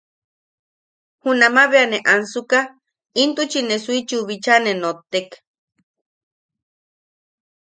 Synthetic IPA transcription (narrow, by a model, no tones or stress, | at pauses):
hunamaβeaneʔansuka | int̪ut͡ʃinesuit͡ʃuβit͡ʃanenot̪ːek